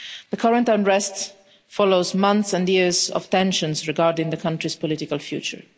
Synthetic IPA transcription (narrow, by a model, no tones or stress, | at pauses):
ðəkʰʌɹə̃ntə̃nɹɛst | fɔloʊzmʌ̃nθsɛ̃ndjɪɹzɔ̰v̥tɛ̃nʃə̃nsɹɛɡaɹdɪ̃ŋðəkʰʌ̃ntɹispɔlɪtɪkalfjṵːt͡ʃə̰ɹ